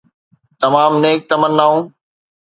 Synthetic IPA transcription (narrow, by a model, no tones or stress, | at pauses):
t̪ɐmaːmneːk̚t̪ɐmənːaːũː